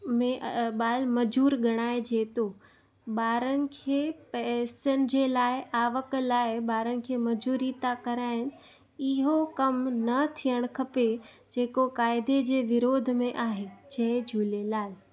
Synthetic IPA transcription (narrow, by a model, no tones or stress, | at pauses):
mẽʔɓaːlmɐd͡ʑuːɾɡʱɐɽ̃aːed͡ʑeːt̪o | ɓaːɾənɪ̆kʰeːpɐːsənɪ̆d͡ʑeːlaːɪʔaːʋəklaːɪbaːɾənɪ̆kʰeːmɐd͡ʑuːɾit̪akɐɾaːɪnɪ̆ | ɪɦokɐmnɐt̪ʰijəɽ̃kʰɐpe | d͡ʑeːkokaːɪd̪ʱed͡ʑeːʋɪɾoːd̪ʱmẽʔaːɦet͡ɕʰɐɦd͡ʑʱuːlelaːɪ